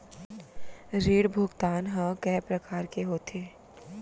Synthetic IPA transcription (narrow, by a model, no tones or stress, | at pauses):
ɾeːɽbʱʊɡt̪aːnɦə̃kɛːpɾɐkaːɾkeɦoːt̪ʰeː